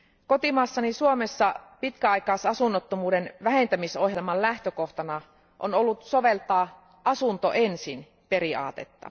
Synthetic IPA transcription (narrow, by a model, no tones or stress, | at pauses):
ko̞t̪imɑːsːɑnisuomesːɑpit̪kæɑjkɑːsɑsunːot̪ːomuːdenʋæɦe̞nt̪æmisohjelmɑllæht̪øko̞ht̪ɑnɑ | ʔo̰nolːut̪so̞ʋe̞lt̪ɑː | ʔɑsunt̪o̰ʔensin | pe̞ɾiɑ̰ːt̪e̞t̪ːɑ̰